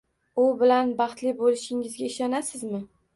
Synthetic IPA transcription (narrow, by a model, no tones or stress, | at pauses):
ʊbɪlanbɑχt̪lɪbolɪʃɪŋɪzɡʲaɪʃɒnasɪzmɪ